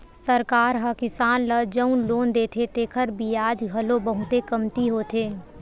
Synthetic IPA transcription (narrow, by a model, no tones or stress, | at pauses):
səɾkaːɾɦɐkɪsaːnləd͡ʒəʊnloːnd̪eːt̪ʰet̪eːkʰəɾbiaːd͡ʒɡʱɐlobəɦʊt̪ekəmt̪iɦoːt̪ʰeː